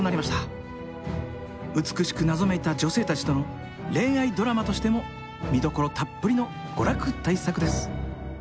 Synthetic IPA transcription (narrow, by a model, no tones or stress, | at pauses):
onaɾʲimaɕi̥t̪a | ɯ̟t͡sɨ̥kɯ̟ɕi̥kɯ̟nazo̞me̞t̪ad͡ʑo̞se̞ːt̪at͡ɕi̥t̪o̞no̞ | ɾẽ̞ɰ̃aid̪o̞ɾamat̪o̞ɕi̥t̪e̞mo̞ | mʲid̪o̞ko̞ɾo̞t̪ʰapːɯ̟ɾʲino̞ | ɡ̥o̞ɾakɯ̟t̪aisakɯ̟d̪e̞sɨ̥